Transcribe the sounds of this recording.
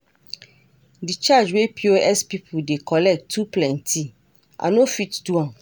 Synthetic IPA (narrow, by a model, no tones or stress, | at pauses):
dit͡ʃad͡ʒwepʰioʔɛspipʰudekʰɔlɛk̚tʰːuplɛ̃ntʰi | ʔa̰nofitduɔ̃n